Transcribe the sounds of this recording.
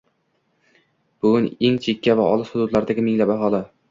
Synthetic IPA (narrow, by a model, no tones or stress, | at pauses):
b̥ʊɡʲʊneŋt͡ʃʰekʲʰːavaɒ̰lˠɪshʊd̪ʊd̪laɾd̪aɡʲɪmɪŋlapaɦɒla